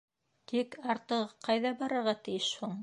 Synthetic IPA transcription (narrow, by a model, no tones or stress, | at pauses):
t̪ikɑɾt̪ɤ̆ʁɤqɑjðɑbɑɾɤ̆ɾʁɑt̪ɘ̆jɘʃhuɴ